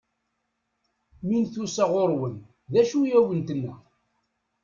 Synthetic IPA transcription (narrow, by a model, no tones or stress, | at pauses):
minθusaʁoɾwən | ðæʃujæwənt̪ənːæ